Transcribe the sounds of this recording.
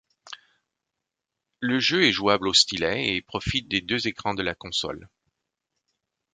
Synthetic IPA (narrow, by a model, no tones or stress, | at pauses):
ləʒøɛʒuablost̪ilɛepχɔfit̪̚d̪ed̪øzekχɑ̃d̪əlakɔ̃sɔ̰l